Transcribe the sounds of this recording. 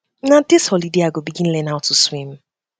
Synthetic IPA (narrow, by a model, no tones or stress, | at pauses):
nadɪshɔlideaɡobiɡĩnlɛ̃naʊtʰuswĩm